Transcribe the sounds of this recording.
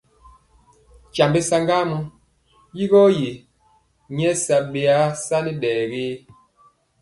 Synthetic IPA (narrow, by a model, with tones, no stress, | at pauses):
t͡ʃa˨mbe˦sa˦ŋɡa˦mu˦ | ji˦ɣɔ˦je˨ | ɲ˦ɛ˦sa˨be˨a˦sa˦ni˦ɗɛː˨ɡe˦